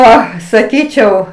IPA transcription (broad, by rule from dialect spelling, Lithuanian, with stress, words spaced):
ˈoː sɐˈkʲiːt͡ʃʲɛʊ